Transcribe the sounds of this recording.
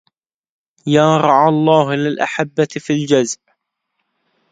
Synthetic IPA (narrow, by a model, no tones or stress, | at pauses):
jaːɾˤɑʕɑlˤːɑːɦlɪlʔa̰ħabːafild͡ʒazʔ